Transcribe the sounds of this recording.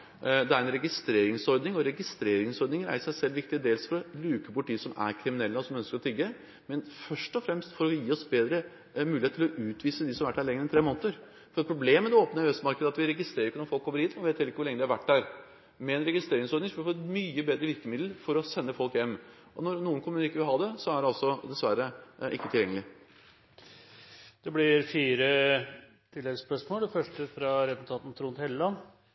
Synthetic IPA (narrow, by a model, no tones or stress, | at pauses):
d̪ɛæɾɛnɾɛɡɪst̪ɾeːɾɪŋsɔɾd̪nɪŋɔɾɛɡɪst̪ɾeːɾɪŋsɔɾd̪nɪŋɾæ̰ɪʂæɪsɛlːʋɪk̚t̪ɪd̪eːlsfɔɾɔlʉːkəpʊʈɪːsɔmæ̰ɾkʰɾɪmɪnɛlːəɔsɔmœnskəɾɔt̪ʰʏɡːə | mɛnfœʂʈɔfɾɛmst̪fɔɾɔjiːɔsbeːd̪ɾə | mʉːlɪet̪ʰːɪlɔʔʉːt̪ʋiːsəd̪ɪsɔmʋæʈːhæɾɭɛŋːəɾɛnt̪ʰɾeːmoːnt̪əɾ | fɔɾɛpʰɾʊbleːmːɛd̪ɛoːpənəɛst̪mɑɾkəd̪əɑt̪ʋɪɾɛɡɪst̪ɾeːɾɪkːənɔɾfɔlˠkʰːɔmːəɾhiːt̪mɛnʋeːt̪helɪkːəʋʊɾɭɛŋəd̪ɛhɑɾʋæʈːdæɾ | mɛɛnɾɛɡɪst̪ɾeːɾɪŋsɔɾd̪ɪŋsɔɾfoːmyːəbeːd̪ɾəʋɪɾkəmɪd̪l̩fɔɾɔsɛnːəfɔlkjɛmː | ʔɔnɔɾnuːənkʰʊmːʉnɪkːəʋɪlɦɑːd̪ɛsɔæɖɛɑlsɔd̪ɛsʋæɾəʔɪ̰kːət̪ʰɪljɛŋːəlɪ | d̪̥ɛblɪɾfiːɾə | t̪ʰɪlːɛɡspœʂmoːlɛfœʂʈəfɾɑɾɛs̩t̪ʰɑːt̪n̩t̪ʰɾuːnt̪hɛlːəlɑn